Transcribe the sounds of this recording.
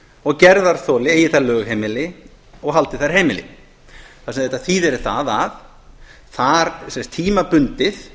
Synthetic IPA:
ɔɣcɛɾðaɾ̥θɔːlɪeːjɪθaɾlœːɣɦejmɪlɪ | ɔɣɦalt̪ɪθaɾ̥ɦeːjmɪlɪ̰ | θasɛmðɛjt̪aθiːðɛɾɪθaðað | θaɾsɛnst̪ʰiːmapʏnt̪ɪθ

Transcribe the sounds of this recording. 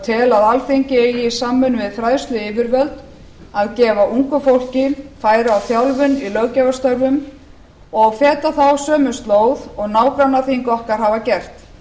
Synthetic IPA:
t̪ʰɪlaðalθejɲcɪeːjɪisaːmːʏnvɪðfɾajðst̪lʏɪːvɪɾvœlt̪ | aðcɛːvaʔuŋkʏfowl̥cɪfaːjɾɪawθjawlvʏnilœɣcɛvast̪œɾvʏm | ɔɣfɛːt̪aθawsœːmʏst̪loːwðɔɣnaːwkɾanːaθiŋkɔhkaɾ̥ɦavacɛr̥t̪

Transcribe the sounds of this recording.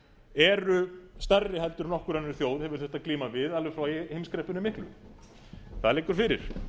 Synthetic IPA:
ɛɾʏst̪ɛrːɪɦɛlt̪ʏɾnɔhkʏɾanːɾθjoːwðhɛvʏɾ̥θɛht̪akliːmavɪðalvʏfɾawhejmskɾɛhpʏnʏmɪhklʏ̰ | θaðɾlejkːʏɾ̥fɪɾɪɾ̥

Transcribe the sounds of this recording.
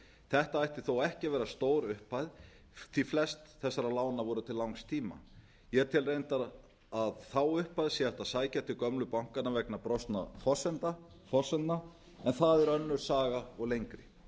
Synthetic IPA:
θɛht̪aajht̪ɪ̥θowɛhcɪvɛːɾast̪oːwɾʏhpajð | θiflɛst̪θɛsːaɾalaːwnavɔːɾʏt̪ʰɪllːawŋst̪ʰiːma̰ | jɛɛɾt̪ʰɪlrejnt̪aɾ | aðθawʏhpajðsjɛaft̪aðsaːjcat̪ʰɪlkœmlʏpawŋ̥kanːavɛknapɾɔst̪na̰fɔsɛnt̪a | fɔsɛnt̪na | ɛnθaðɛɾœnːʏɾ̥saːɣaɔɣlejŋkɾɪ

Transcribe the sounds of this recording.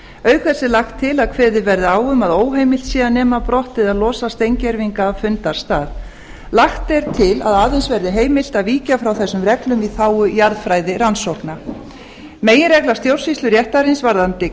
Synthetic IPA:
œːɥkʰfɛsːɪlaxt̪ʰːɪlaðkʰvɛːðɪvɛɾðɪaːwʏmaðoːwɦejmɪlt̪siːðanːɛːmapɾɔht̪ːɪðaðlɔːsast̪ejɲcɛɾviŋkafʏnt̪aɾ̥st̪aːð | laxt̪ɛɾ̥t̪ʰɪla̰ðaːðɪnsvɛɾðɪɦeːjmɪl̥t̪aðviːcafɾawθɛsːʏmrɛklʏmiθaːwʏjaɾðfɾaːjðɪɾansɔhkna | meːjɪnrɛklḁst̪jowr̥sist̪lʏɾjɛht̪aɾɪnsvaɾðant̪ɪ

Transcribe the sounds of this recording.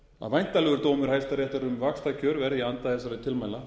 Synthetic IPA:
a̰ðvajn̥t̪alɛɣʏɾt̪oːwmʏɾ̥hajst̪aɾjɛht̪aɾʏmvakst̪acʰœɾvɛɾðjɛant̪aθɛsːaɾɛt̪ʰɪlmaːjla

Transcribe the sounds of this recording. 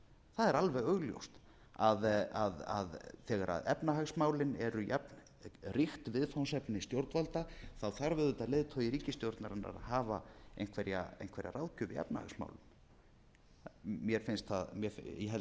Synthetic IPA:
θaðɛɾalvɛɣœɣljo̰wst̪ | aðaðaðθɛːɣaɾa̰ðɛpnahaxsmaːwlɪnɛɾʏjɛpn | rɪxt̪vɪðfawnsɛpnɪst̪jowɾt̪valt̪aθawθaɾvɪðʏt̪aleːðt̪ʰɔːjiɾiːcɪst̪jowɾt̪naɾanːa̰ɾa̰haːvaḛjn̥kʰvɛɾja̰ḛjnkvɛɾja̰ɾawðcʏvɪɛ̰pna̰ha̰ɣsma̰ːwlɪn | mjɛɾ̥fɪnst̪θaðmjɛfɦɛl

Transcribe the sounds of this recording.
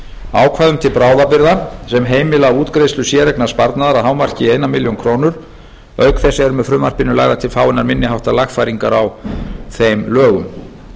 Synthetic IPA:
aːwkʰvaːðʏmt̪ʰɪlpɾaːwðapɪɾðasɛmɦeːjmɪlaauːt̪kɾejslʏsjɛːɾɛknḁspaɾt̪naðaɾaðɦaːwmar̥cɪeːjnamɪljownkʰɾoːwnʏɾ̥ | œɥkθɛsːɛɾʏmɛðfɾʏːmar̥pɪnʏlaːɣðat̪ʰɪlfaːwɪnaɾmɪnːɪɦawht̪alaxfajɾiŋkaɾawθejmlœːɣʏm

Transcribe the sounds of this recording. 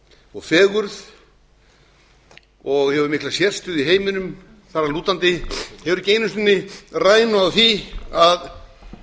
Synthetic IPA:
ɔɣfɛːɣʏɾð | ɔɣhɛvʏɾmɪklasjɛr̥st̪ʏðiɦeːjmɪnʏm | θaraluːt̪ant̪ɪhɛvʏɾʏceːjnʏst̪ʏnːɪraːjnʏaðθiað

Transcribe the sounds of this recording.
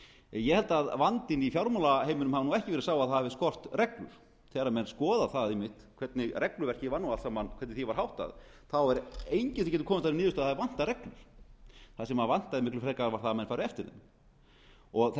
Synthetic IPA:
jɛhɛlt̪aaðvant̪ɪnifjawɾmɔlaheːjmʏnʏmhavanuːɛhcɪvɛɾsaːwaðθaðhavɪskɔr̥t̪rɛklʏ̰ɾ̥ | θɛːɾamɛnskɔːðaθaðɪmːɪht̪kʰvɛt̪nɪrɛklʏɾvɛr̥cɪvanːualsamːankʰɛɾt̪nɪθivaɾ̥hawht̪a̰ð | θawɛɾejɲcɪ̥θi̥cɛːt̪ʏ̥kʰɔːmɪt̪aɾɪnɪːðʏst̪aðhavɪvan̥t̪aɾɛklʏɾ̥θasɛmaðvan̥t̪aðɪmɪhklʏfɾɛkaɾvaɾ̥θamɛnfajɾɪɛft̪ɪɾðɪ̰m | ɔɣθ

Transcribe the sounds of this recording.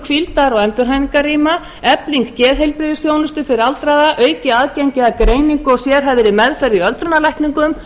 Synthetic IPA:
kʰfvilt̪aɾawɛnt̪ʏɾɦajmiŋkariːma | ɛpliŋkcɛːðɦejlpɾɪðʏsθjoːwnʏst̪ʏfɪɾɪɾalt̪ɾajðaʔœːɥcɪaːðcɛɲcɪðakɾeːjniŋkɔɣsjɛɾ̥ɦɛvðɪɾɪmɛðfɛɾðiœlt̪ɾʏnalɛjhkniŋkʏm

